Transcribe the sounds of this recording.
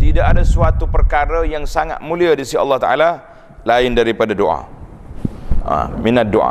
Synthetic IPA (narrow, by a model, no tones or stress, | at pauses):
t̪idaʔadasuat̪upərkaɾajaŋsaŋa̰t̪̚mũliadisiɑ̰lːɑht̪aʔa̰la | laɪndaɾipadadoʔa̰ | a̰minat̪̚doʔa̰